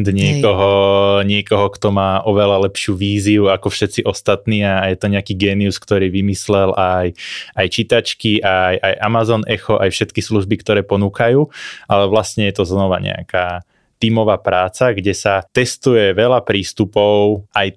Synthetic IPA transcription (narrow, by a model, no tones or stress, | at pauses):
d̪ɲɪɛkɔɦɔɲɪɛkɔɦɔkt̪ɔmaːʔɔʋɛlalɛpʃɪuːʋiːziuakɔfʃɛt̪t͡siʔɔst̪at̪niːajɛt̪ɔɲɛakiːɡɛːniuskt̪ɔɾiːʋimislɛlʔajajt͡ʃit̪at͡ʃkiʔajʔajʔamazɔnʔɛxɔʔajfʃɛt̪kisluʒbikt̪ɔɾɛːpɔnuːkajuːʔalɛʋlastɲɛjɛt̪ɔznɔʋa̰ɲɛ̰a̰kaː | t̪iːmɔʋaːpɾaːt͡saɡɟɛsat̪ɛst̪ujɛʋɛlapɾiːst̪upɔʊʔaj